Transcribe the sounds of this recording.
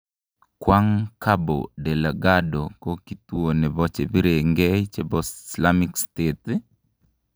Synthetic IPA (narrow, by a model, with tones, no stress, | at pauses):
kwa˦ŋka˦bo̰˨dɛ˨la˨ɡadɔkɔ˦ki˨tu˦o˨nɛ˨bɔ˦t͡ʃe˨bi˦ɾe˨ŋɡɛt͡ʃe˦bɔsislamikstet̪